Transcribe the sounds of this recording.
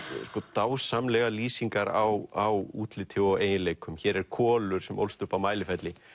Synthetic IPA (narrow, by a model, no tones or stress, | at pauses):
skɔt̪aːwsamlɛɣaliːsiŋkaɾawawuːt̪lɪt̪ʰɪwɔeːjɪnleːjkʰʏmçɛɾɛɾkʰɔːlʏɾ̥sɛmʔo̰wlst̪ʏhpamaːjlɪfɛt̪lɪ